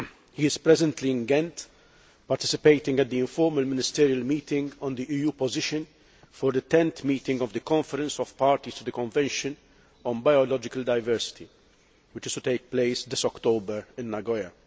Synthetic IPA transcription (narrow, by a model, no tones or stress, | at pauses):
hiɪzpɾɛzɛ̃nt̪liɪ̃nɡɛ̃nt̪ | pɐɾt̪ɪ̥sɪpeɪt̪ɪ̃ŋɡɛt̪̚d̪iɪ̃ɱfɔɾmɐlmɪnɪst̪ɪːɾiɐlmiːt̪ɪ̃ŋɡɔ̃nd̪iʔiːjuːpɔzɪʃɨ̃n | fɔɾd̪ət̪ɛ̃nt̪miːt̪ɪ̃ŋɡɔvd̪əkɔ̃ɱfɛɾɛ̃nsɔv̥paːɾt̪ist̪ud̪əkɔ̃ɱvɛ̃nʃɨ̃n | ɔ̃nbajɔlɔd͡ʒɪkɐld̪ɐɪvɛɾsɪ̥t̪i | wɪt͡ʃɪst̪ut̪eɪk̚pleɪsd̪ɪsɔkt̪obəɾɪ̃nːɐɡɔjɐ